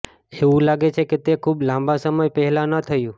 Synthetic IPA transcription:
eʋũlaɡet͡ʃʰeket̪ekʰublãmbasəməjpɛɦɛlanət̪ʰəjũ

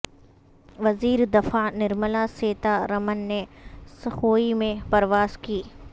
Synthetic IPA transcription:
ʋɐziːɾd̪ɐfanɪɾməlaseːt̪aɾɐmənːesɐxoːimẽpɐɾʋaːzkiː

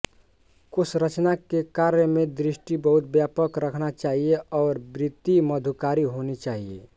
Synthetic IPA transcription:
kʊsɾət͡ʃnakekaɾjəmẽd̪ɾisʈibəɦut̪̚bjapəkɾəkʰnat͡ʃaːɦieʔɔːɾbɾit̪ːiməd̪ʱukaɾiɦonit͡ʃaːɦiḛ

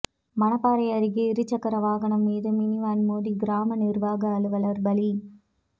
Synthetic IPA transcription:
mɐnɐpːaːɾɐɪɐɾɪɣɯɪɾɯt͡ʃːɐkːɐɾɐʋaːɣɐɳɐmːiːðɯmɪniʋaːnmoːðiɡɪɾaːmɐnɪɾʋaːɣɐːlɯʋɐlɐɾbɐli

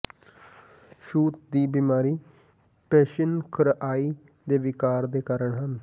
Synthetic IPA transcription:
ʃuːt̪d̪iːbiːmaːɾiː | pɛːʃənkʰɾʔaːiː | d̪eːʋɪkaːɾd̪eːkaːɾəɳɦən

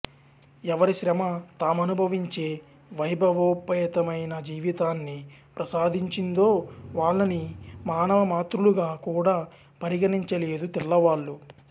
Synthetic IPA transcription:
ɛʋɐɾiʃɾɐmɐt̪aːmɐnubʱɐʋiɲt͡ʃeː | ʋɐjbʱɐʋoːpɐɐt̪ɐmɐjnɐd͡ʒiːʋit̪aːnːipɾɐsaːd̪ʱiɲt͡ʃind̪o̞ːʋaːɭːɐnimaːnɐʋɐmaːt̪ɾuluɡaːkuːɽaː | pɐɾiɡɐniɲt͡ʃɐle̞ːd̪ut̪iɭːɐʋaːɭːu

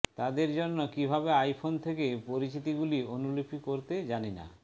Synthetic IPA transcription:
t̪ad̪eɾd͡ʑonːokibʱabeajpʰont̪ʰekepoɾit͡ɕit̪̬iɡulionulopʰikoɾt̪ed͡ʑanina̰

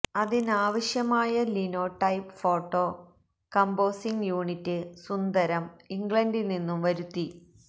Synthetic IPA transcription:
ɐðinaːʋɐɕjɐmaːjɐlino̞ːʈːɐjpfo̞ːʈːoː | kɐmbo̞ːsiŋɡjuːɳitːɨsund̪ɐɾɐmiŋɡlɭɐndilninːumʋɐɾut̪ːi

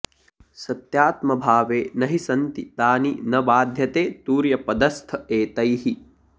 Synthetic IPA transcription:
sɐt̪jaːt̪mɐbʱaːʋeːnɐɦisɐnt̪it̪aːninɐbaːd̪ʱjɐt̪eːt̪uːɾjɐpɐd̪ɐst̪ʰɐeːt̪ɐjɦi

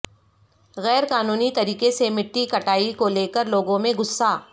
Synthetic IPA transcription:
ɣɛːɾkaːnuːnit̪ɐɾiːkesemɪʈːikɐʈaːikoleːkəɾloːɡõmẽɡʊsːaː

